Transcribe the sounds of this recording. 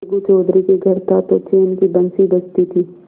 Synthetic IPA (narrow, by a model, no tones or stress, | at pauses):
ɡut͡ʃoːd̪ɾikeɡʱɐɾt̪ʰat̪ot͡ʃʰiːʊnkibɐ̃nsibɐt͡ʃt̪it̪ʰiː